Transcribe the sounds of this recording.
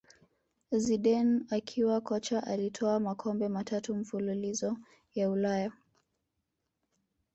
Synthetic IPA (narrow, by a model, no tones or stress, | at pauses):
ziɗɛnakʰiwakɔt͡ʃaʔalitʰɔamakʰɔmbɛmatʰatum̩fululizɔ | jaulaja